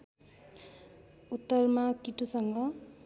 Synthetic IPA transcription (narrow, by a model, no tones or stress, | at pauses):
ut̪ːʌrmakiʈusʌŋɡʌ